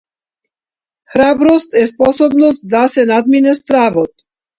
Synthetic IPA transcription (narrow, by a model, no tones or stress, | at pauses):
xɾabɾost̪ɛspɔsɔbnɔst̪̚d̪asɛnad̪minɛst̪ɾavɔt̪̚